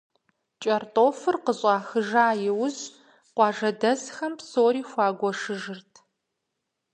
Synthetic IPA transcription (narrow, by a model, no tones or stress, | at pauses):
t͡ʃʼɐrtʼoːfɨrqəɕʼɑːxɨʒaːjɪwʊz | qʷɑːʒɐdɐzxɐmpsoːɾiːxʷɑːɡʷɔʂɨʒɨrtʰ